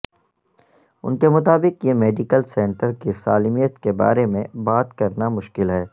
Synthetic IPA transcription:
ʊ̰nkemʊt̪aːbɪkjemeːɖɪkəlsɛ̃ːɳʈəɾkisaːlimijət̪keba̰ːɾemẽbaːt̪kɐɾnamʊʃkɪlɦɛː

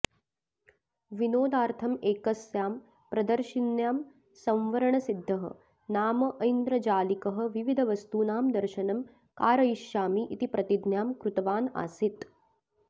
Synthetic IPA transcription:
ʋinoːd̪aːɾt̪ʰɐmeːkɐsjaːm | pɾɐd̪ɐɾʃinjaːm | sɐ̃mʋɐɾɐɳɐsid̪ʱːɐɦɐ̰ | naːmɐʔɐjnd̪ɾɐd͡ʒaːlikɐɦɐ̆ʋiʋid̪ʱɐʋɐst̪uːnaːmd̪ɐɾʃɐnɐm | kaːɾɐjʃjaːmiʔit̪ipɾɐt̪id̪njaːmkɾut̪ɐʋaːna̰ːsit̪

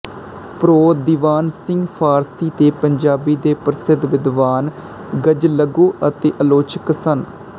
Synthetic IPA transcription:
pɾoːd̪iːʋaːnsɪŋɡpʰaːɾsiːt̪eːpəɲd͡ʒaːbiːd̪eːpɾsɪd̪ʋɪd̪ʋaːn | ɡəd͡ʒləɡũːət̪eːʔəloːt͡ʃəksən

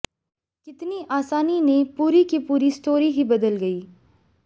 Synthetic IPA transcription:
kɪt̪niʔaːsaːninẽpuːɾikipuːɾist̪oːɾiɦibɐd̪əlɡɐiː

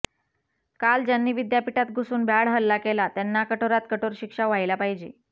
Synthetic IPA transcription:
kald͡ʑjanːiːʋid̪japiʈat̪̚ɡʱusuːnbʱjaɽɦəlːakelat̪janːakəʈʰoɾat̪̚kəʈoɾɕikʂaʋajilapaɦid͡ʑeː

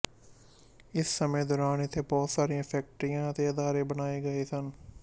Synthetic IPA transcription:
ɪsːəmẽd̪ɔːɾaːnɪt̪ʰeːbɔːt̪saːɾijãːpʰɛːk̚ʈɾijãːt̪eːɐd̪aːɾeːbənaːeːɡəeːsən

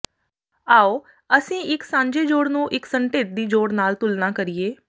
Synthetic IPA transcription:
aːoː | əsĩːɪksãːɲd͡ʒeːd͡ʒoːɽnũːʔɪksəɳʈeːʈ̚d̪iːd͡ʒoːɽnaːlt̪ʊlnaːkəɾieː

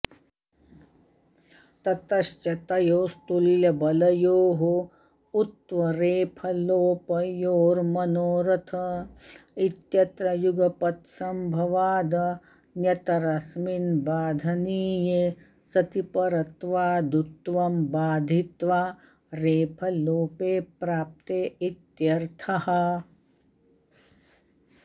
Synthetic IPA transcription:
t̪ɐt̪ɐʃt͡ʃɐt̪ɐjoːst̪uljɐbɐlɐjoːɦo | ut̪ʋɐɾeːpʰɐloːpɐjoːɾmɐnoːɾɐt̪ʰɐ | it̪jɐt̪ɾɐjuɡɐpɐt̪sɐmbʱɐʋaːd̪ɐ | njɐt̪ɐɾɐsminbaːd̪ʱɐniːje | sɐt̪ipɐɾɐt̪ʋaːd̪ut̪ʋɐmbaːd̪ʱit̪ʋaː | ɾeːpʰɐloːpeːpɾaːp̚t̪eit̪jɐɾt̪ʰɐhɐ̆

